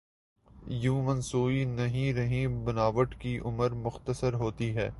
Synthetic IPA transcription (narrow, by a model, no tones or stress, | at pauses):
jũːmɐnsuːinɐɦĩɾɐɦĩbɐnaːʋəʈkiʔʊməɾmʊxt̪əsəɾɦoːt̪iɦɛ̰ː